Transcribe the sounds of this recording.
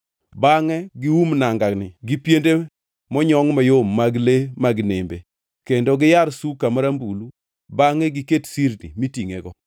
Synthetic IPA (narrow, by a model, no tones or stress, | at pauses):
baŋɛɡɪwumnaŋɡaknɪɡɪpjende | mɔɲɔŋmajomːaɡlemaɡɪnɪmbe | kendoɡɪjaɾsukamaɾambulu | baŋɛɡɪketsiɾnḭmitiŋḛɡɔ